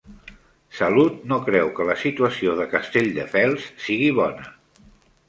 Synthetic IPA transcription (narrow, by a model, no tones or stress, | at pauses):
səlut̪̚nokɾɛwkələsit̪uəsioðəkəst̪eʎd̪əfɛlˠsːiɣ̞iβ̞ɔnə